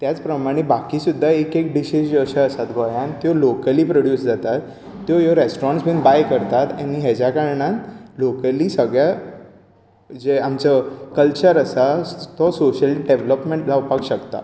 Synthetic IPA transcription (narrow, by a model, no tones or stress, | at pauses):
t̪jat͡spɾəmaɽ̃ebakisud̪ʱːaekek̚ɖiɕisd͡ʑoɕəəsat̪ɡʱɔjãnt̪jolokəliːpɾoɽjuːsd͡zat̪at̪ː | jojɔɾesʈoɾãɳsbinbajkəɾt̪at̪añiɦɛd͡ʑakaɾɳanlokəliːsəɡɭja | d͡ʑeamt͡ɕəkəlt͡ɕəɾəsat̪ɔsoɕəlɖeʋləpmẽɳʈlaupakɕəkt̪a̰